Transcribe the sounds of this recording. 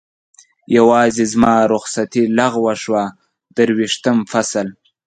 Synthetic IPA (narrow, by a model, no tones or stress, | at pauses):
jawɑːzezmɑːɾʊxsat̪ilaɣwaʂwa | d̪̥əɾwiʂt̪əmfasal